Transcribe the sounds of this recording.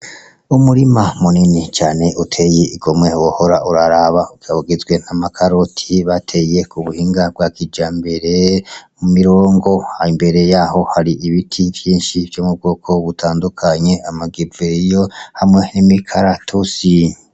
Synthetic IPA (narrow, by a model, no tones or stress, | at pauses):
umuɾimamuninit͡ʃaːne̞ʔutʰe̞jeʔiɡo̞mŋe̞woho̞ɾaʔuɾaɾaβaukiaβuɡezɡwe̞n̥amakʰaɾotʰiβatʰe̞je̞kuβuhiːŋɡab̚ɡwakid͡ʒaːmbe̞ɾe̞mumiɾoːŋɡo̞haimbe̞ɾe̞jaːho̞haɾiʔiβitʰivjiːnʃivjomub̚ɡo̞ːkʰo̞βutʰaːndukʰaɲe̞amaɡiɾweijohamŋe̞nimikʰaɾatʰusi